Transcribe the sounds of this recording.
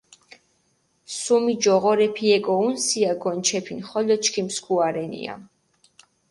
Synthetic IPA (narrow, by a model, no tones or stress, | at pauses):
sumid͡ʒɔʁɔɾɛpʰiɛɡɔunsiaɡɔnt͡ʃʰɛpʰinχɔlɔt͡ʃʰkʰimskʰuaɾɛnḭa̰